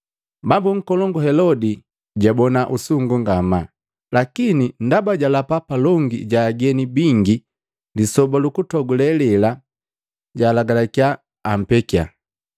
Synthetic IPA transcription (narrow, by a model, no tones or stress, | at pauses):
bambuŋ̩kɔlɔŋɡuhɛlɔdi | ɟabɔnaʔusuŋɡuŋɡama | lakinindabaɟalapapalɔŋɡḭɟaːɡɛnibiŋɡi | lisɔbalukutɔɡulɛlɛla | ɟaːlaɡalakiaː | m̩pɛkia̰